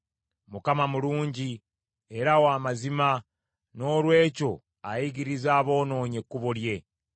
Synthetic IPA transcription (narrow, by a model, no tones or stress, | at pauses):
mukamamuluːɲɟi | eɾawaːmazima | no̞ːlwe̞ːco̞ | ajiɡiɾizaːβo̞ːno̞ːɲe̞kːuβulje̞